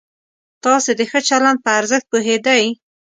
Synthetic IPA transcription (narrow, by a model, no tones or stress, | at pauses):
t̪ɑsed̪əxət͡ʃaland̪̚pəaɾzəxt̪̚poɦed̪aj